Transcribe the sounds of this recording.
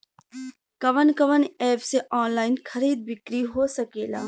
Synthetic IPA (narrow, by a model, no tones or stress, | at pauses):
kɐʋənkəʋənɛːpseʔɔːnlaːɪnxʰɐɾiːd̪̚bɪkɾiɦosɐkeːla̰ː